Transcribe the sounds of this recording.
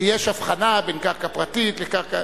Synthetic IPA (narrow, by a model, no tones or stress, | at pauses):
jeʃafχanabenkaʁkapʁatit̪lekaχka